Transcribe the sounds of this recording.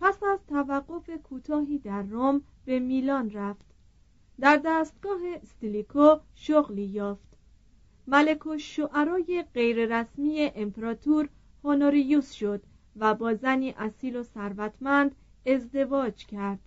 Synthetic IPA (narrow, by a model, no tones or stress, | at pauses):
pʰæsæzt̪ʰævæɢːo̞fe̞kʰuːt̪ʰɒːɦiːd̪æɾːom | be̞miːlɒːnræft̪ | d̪æɾd̪æːst̪̚ɡɒːɦe̞st̪ilikʰoʃoɣliːjɒːft̪ | mæle̞kʰoʃoʔæɾɒːjeɢe̞jɾe̞ɾæsmiːje̞ʔempʰeɾɒːt̪ʰuɾ | honoɾijuːsʃo̞d̪̥ | væbɒːzæniːʔæsiːlo̞sæɾvæt̪ʰmænd̪ | e̞zd̪e̞vɒːd͡ʒcʰæɾd̪̥